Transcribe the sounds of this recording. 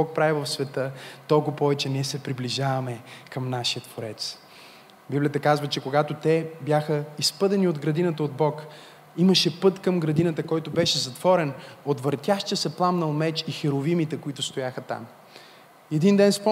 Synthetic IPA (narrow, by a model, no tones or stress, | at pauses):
ɔk̚pɾavɛvɐfsvɛt̪ɤt̪ɔlˠkʊpɔvɛt͡ʃɛnɛsɛpɾibliʒavɐmɛkɐmnaʃijət̪ːvoɾɛt̪s | biblijət̪əkazvət͡ʃɛkoɡat̪ot̪ɛbjaxəispɤd̪ɛniod̪ɡɾɐd̪inət̪əod̪̚bɔk | iməʃɛpɤt̪kəmɡɾɐd̪inət̪əkɔjt̪ʊbɛʃɛzɐt̪v̥ɔɾɛnot̪vɐɾt̪ʲjaʃt̪əsɛplˠamnəlˠmɛt͡ʃixɛɾovimit̪ɛkoit̪ʊst̪ojaxət̪a̰m | ɛd̪ind̪ɛnspɔ